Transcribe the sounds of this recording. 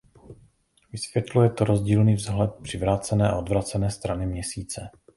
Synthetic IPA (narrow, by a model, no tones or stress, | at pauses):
vɪsvjɛt̪lujɛt̪oɾo̞zɟiːlniːvzɦlɛt̪̚pr̥ɪvɾaːt͡sɛnɛːʔa̰ʔod̪vɾat͡sɛnɛːst̪ɾanɪmɲɛsiːt͡sɛ